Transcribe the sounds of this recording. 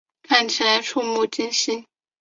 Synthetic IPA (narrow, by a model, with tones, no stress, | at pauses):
kʰa˥˩nt͡ɕʰi˧˥la˧˥ɪʈ͡ʂʰu˥˧mu˥˩t͡ɕi˥nɕi˥n